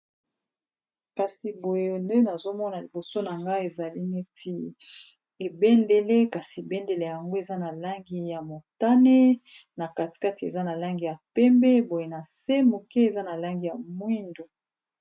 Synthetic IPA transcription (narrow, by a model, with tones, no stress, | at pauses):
ka˨si˨bo˨je˨nde˦na˨zo˦mɔ˦na˨li˨bo˨so˦na˨ŋɡa˦e˨za˨li˦ne˦ti˦ | e˨bɛ˦nde˨le˦ka˨si˨e˨bɛ˦nde˨le˨a˨a˨ŋɡo˦e˨za˦na˨la˦ŋɡi˦ja˨mo˨ta˦ne˦ | na˨ka˨ti̥˨ka˦ti˨ḛ˨za˦na˨la˦ŋɡi˨ja˨pɛ˦mbɛ˦bo˨je˨na˨se˦mo˨ke˦e˨za˦na˨la˦ŋɡi˨ja˨mwi˦ndo˨